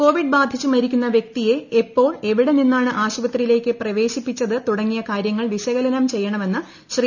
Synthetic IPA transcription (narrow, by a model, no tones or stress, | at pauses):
ko̞ːʋiɖbaːd̪ʱit͡ɕːɨmɐɾikʲːunːɐʋjek̚t̪ije̞ːpːo̞ːɭe̞ʋiɽe̞ninːaːɳɨʔaːɕubɐt̪rijile̞ːkʲːɨprɐʋe̞ːɕipːit͡ɕːɐðɨt̪uɽɐŋːijɐkaːɾjɐŋːɐɭʋiɕɐɣɐlɐnɐmt͡ɕe̞jːɐɳɐme̞nːɨ | ɕri